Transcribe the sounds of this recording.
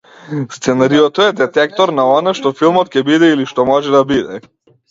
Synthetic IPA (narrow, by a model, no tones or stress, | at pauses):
st̪sɛnaɾiɔt̪ɔɛd̪ɛt̪ɛk̚t̪ɔɾnaɔnaʃt̪ɔfilˠmɔt̪̚kʲɛbid̪ɛiliʃt̪ɔmɔʒɛd̪abid̪ɛ